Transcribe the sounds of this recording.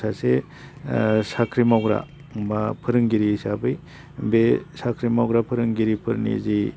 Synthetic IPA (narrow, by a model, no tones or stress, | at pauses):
sase | sakʰɾimawɡɾa̰ | bapʰɯɾɯŋɡiɾisabɯj | besakʰɾimawɡɾapʰɯɾɯŋɡiɾipʰɯɾnḭzi